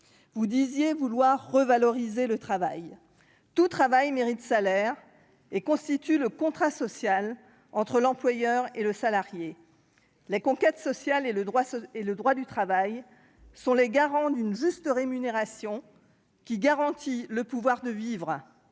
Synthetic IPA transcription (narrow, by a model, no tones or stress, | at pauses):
vud̪izjevulwaʁːəvalɔʁizelət̪χavaj | t̪ut̪χavajmeʁit̪salɛʁ | ekɔ̃st̪it̪yləkɔ̃t̪χasɔsjal | ɑ̃t̪χəlɑ̃plwajœʁeləsalaʁje | lekɔ̃kʲɛt̪sɔsjaleləd̪ʁwaeləd̪ʁwad̪yt̪χavaj | sɔ̃leɡaʁɑ̃d̪ynʒyst̪əʁemyneʁasjɔ̃ | kʲiɡaʁɑ̃t̪ʰiləpuvwaʁd̪əvivʁ